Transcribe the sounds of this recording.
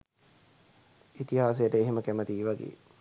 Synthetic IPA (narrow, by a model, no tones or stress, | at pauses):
it̪iɦaːs̬ejəʈəeɦeməkæmət̪iːʋaɡḛː